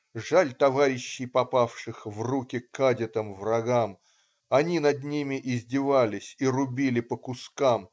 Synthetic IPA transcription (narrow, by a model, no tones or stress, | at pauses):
ʐalʲt̪ɐvaɾʲɪɕːɪjpɐpafʂɨxvrukʲɪkːadʲɪt̪əmvrɐɡam | ɐnʲinɐd̪nʲimʲɪʔɪzʲdʲɪvalʲɪsʲirʊbʲilʲɪpəkʊskam